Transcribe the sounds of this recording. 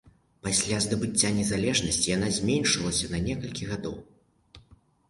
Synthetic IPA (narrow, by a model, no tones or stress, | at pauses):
pasʲlʲazd̪ɐbɨt͡sʲːanʲɛzalʲɛʐnɐsʲt͡sʲijanazʲmʲɛnʲʂɨlˠɐsʲɐnɐnʲɛkɐlʲkʲiɣad̪ɔ̰w